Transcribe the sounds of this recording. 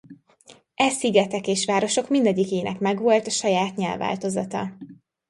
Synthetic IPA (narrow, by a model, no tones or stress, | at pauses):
ʔɛsiɡɛt̪ɛkeːʃʋaːɾo̞ʃo̞kmind̪ɛɟːikeːnʔɛkmɛɡʋo̞lt̪ɒʃɒjaːt̪ɲɛlva̰ːlt̪o̞zɒt̪ɒ̰